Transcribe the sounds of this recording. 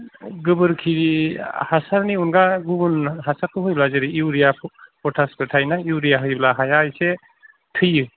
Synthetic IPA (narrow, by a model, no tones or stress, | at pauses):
ɡɯbɯɾkʰi | hasaɾniunɡaɡubunɦasakʰːɯɦɯjblazɯɾiiwɾijapʰɔtʰaspɯtʰajnaiwɾijaɦɯjblaɦajajse | tʰɯjɯ